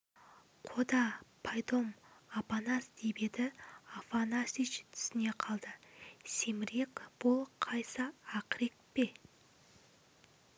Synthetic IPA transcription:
qʰod̪ɑpʰajd̪o̞mapanasd̪ebe̞d̪ɪafanasit͡ʃt̪ʰʏ̥sɪne̞qʰɑlˠd̪əsemɪɾekb̥ʊlˠqʰɑjsəːqɾek̚pe̞

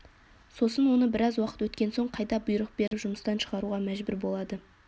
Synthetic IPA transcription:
so̞sənwo̞nəbɪɾɑzwɑqə̥t̪wɵt̪kʲe̞nso̞ɴqʰɑjd̪ɑbʊjɾəq̚be̞ɾɪpʒʊməst̪ɑnʃəʁɑɾuʁɑmæʒbʊɾbo̞lˠɑd̪ə

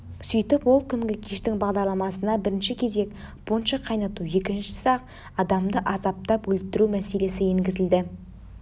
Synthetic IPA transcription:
syjt̪ɪpwo̞lˠkʲʰʏŋɡʲɪkʲʰeʃt̪ɪŋbɑʁd̪ɑɾlˠɑmɑsənɑbɪɾɪnʃɪkʲʰe̞ze̞kb̥onʃɑqʰɑjnɑt̪uje̞kʲɪnʃɪ̥sɑq | ɑd̪ɑmd̪əʔɑzɑp̚t̪ɑpwɵlt̪ɪɾumæse̞le̞sɪeŋɡʲɪzɪld̪ɪ

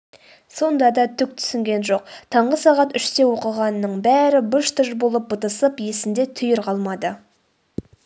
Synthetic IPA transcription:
so̞nd̪ɑd̪ɑt̪ʰʏk̚t̪ʰʏ̥sɪŋɡʲe̞nʒo̞q̚t̪ʰɑɴʁəsɑʁɑt̪ʏʃt̪ewo̞qəʁɑnːəɴbæɾɪbəʃt̪ʰəʃbo̞lˠəp̚bət̪əsəpje̞sɪnd̪e̞t̪ʰʏjɪɾqʰɑlˠmɑd̪ə

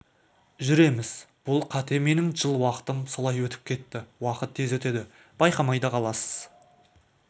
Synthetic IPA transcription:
ʒʏɾe̞mɪz̥b̥ʊlˠqʰɑt̪e̞me̞nɪŋʒəlˠwɑqə̥t̪əmsolˠɑjwɵt̪ɪ̥p̚kʲʰe̞t̪ːɪwɑqət̪ːʰe̞zwɵt̪e̞d̪ɪ | b̥ɑjqɑmɑjd̪ɑqʰɑlˠɑsə̥z̥

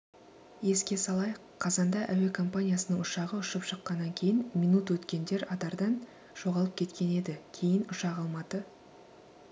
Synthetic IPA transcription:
je̞skʲe̞sɑlˠɑj | qʰɑzɑnd̪ɑʔæwe̞kʰo̞mpanʲijasənəɴʊʃɑʁəʊʃəpʃəqːɑnːɑŋkʲʰe̞jɪnmʲinut̪wɵt̪kʲe̞nd̪e̞ɾɑd̪ɑɾd̪ɑn | ʒ̥o̞ʁɑlˠəp̚kʲʰe̞t̪kʲe̞ne̞d̪ɪkʲʰe̞jɪnʊʃɑʁɑlˠmɑt̪ə

